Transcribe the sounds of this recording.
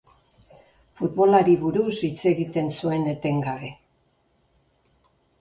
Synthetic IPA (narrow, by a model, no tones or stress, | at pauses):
fut̪βo̞laɾiβuɾusit͡se̞ɣit̪e̞nsue̞ne̞t̪e̞ŋɡaβe̞